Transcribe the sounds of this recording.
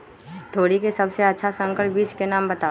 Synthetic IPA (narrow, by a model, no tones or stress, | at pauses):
t̪ʰoːɽikesɐbseɐtːʃʰasə̃ŋkəɽʈbiːt͡ʃkenaːmbɐt̪aː